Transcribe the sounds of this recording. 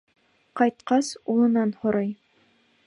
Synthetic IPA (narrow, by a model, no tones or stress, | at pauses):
qɑjt̪̚qɑsulˠɤ̆nɑnhŏɾɑj